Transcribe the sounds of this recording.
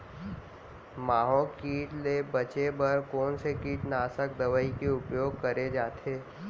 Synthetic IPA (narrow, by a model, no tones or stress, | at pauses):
maːɦolkiːʈlebɐt͡ʃebɐɾkɔːnsekiːʈnaːsək̚d̪ɐʋəikeʊpjoːɡ̚kɐɾed͡ʒaːt̪ʰeː